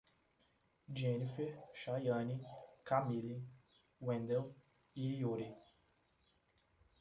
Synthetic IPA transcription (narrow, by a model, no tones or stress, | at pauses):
d͡ʒenifeʃajɐnikamili | wẽnd̪el | ijoɾi